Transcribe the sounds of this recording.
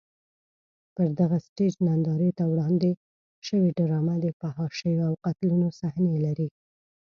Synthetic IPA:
pəɾd̪aɣasʈed͡ʒnand̪ɑɾət̪awɽɑnd̪e | ʃəweɖɾɑmad̪əfahɑʃəjoawqat̪lunosahnelaɾi

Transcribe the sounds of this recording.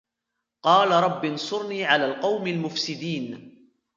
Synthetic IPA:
qɑːlaɾˤɑbːɪnsˤʊɾniːʕalaːlqɑwmalmʊfsɪd̪iːn

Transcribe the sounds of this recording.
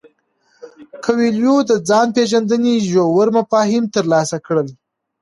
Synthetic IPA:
kʰawiljod̪əd͡zɑnpeʒand̪əniʒowəɾmafɑɦɪmt̪əɾlɑsakɽəl

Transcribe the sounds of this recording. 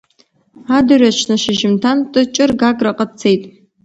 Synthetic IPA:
adɨrat͡ʃʰnɨʃɪʒɪmtʰantʼɨt͡ʃʼɪrɡaɡʼraqʼət͡sʰejtʼ

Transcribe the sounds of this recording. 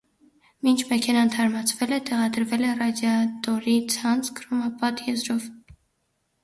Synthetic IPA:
mint͡ʃʰmɛkʰɛnɑnt̪ʰɑɾmɑt͡sʰvɛlɛt̪ɛʁɑd̪əɾvɛlɛrɑd̪jɑt̪ɔɾit͡sʰɑnt͡sʰɡəɾumɑpɑt̪jɛzɾɔv

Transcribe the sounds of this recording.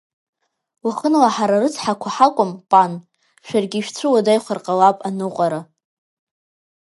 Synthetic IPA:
waχənlaħaɾarɨt͡sʰħakʷʰaħakʷʼʊmpʼan | ʃᶣarɡʲiʃᶣt͡sʷʰɨwadajχʷarqʼawapʼanɨqʷʼaɾa

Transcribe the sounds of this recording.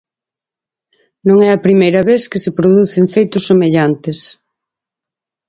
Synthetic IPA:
nõŋɛɐpɾimejɾɐβeθkɪsepɾoðuθeɱfejt̪ʊsːomeʎant̪es

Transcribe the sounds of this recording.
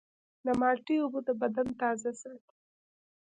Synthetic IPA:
d̪əmɑʈiʊbud̪əbad̪ant̪ɑzasaɾt̪

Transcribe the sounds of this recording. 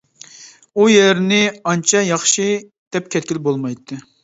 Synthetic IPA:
ujɛɾnɪɑnt͡ʃʰɛjɑχʃɨ | d̪̥ɛp̚kʲʰɛt̪̚kʲilbolˠmɑjt̪ʰːɨ

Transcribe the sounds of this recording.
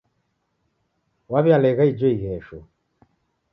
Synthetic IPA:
waβjalɛɣaid͡ʒɔiɣɛʃu

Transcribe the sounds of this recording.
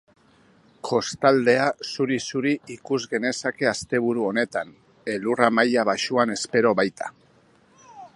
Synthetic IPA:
kʰo̞st̪ald̪e̞asuɾisuɾiikuzɣe̞ne̞sake̞ast̪e̞β̞uɾuo̞ne̞t̪an | e̞luramajaβaʃuane̞spe̞ɾo̞βajt̪ʰa̰

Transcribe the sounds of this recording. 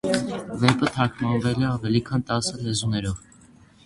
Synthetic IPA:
vɛpət̪ʰɑkʰmɑnvɛlɛɑvɛlikʰɑnt̪ɑsəlɛzunɛɾɔv

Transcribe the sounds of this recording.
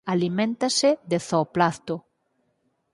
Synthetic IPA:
alimẽnt̪aseðeθoplaθt̪o

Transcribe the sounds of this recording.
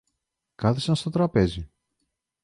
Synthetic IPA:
kɐθisɐnst̪o̞t̪ɾɐpe̞zi

